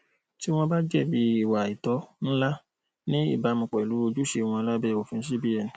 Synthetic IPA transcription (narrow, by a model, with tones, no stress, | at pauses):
ti˦w̃ɔ̃˦ba˦d͡ʒɛ˦˨bi˨˦i˦˨wa˨i˨tɔ˨˦ñ̩˦la˦ | nĩ˦ḭ˦˨ba˨˦mũ˧˨k͡pɛ˨i˨lu˨˦o˧d͡ʒu˦ʃe˧w̃ɔ̃˧la˦bɛ˦˨o˨fĩ˧˦ʃ̬i˦bi˦ɛ˨nĩ˨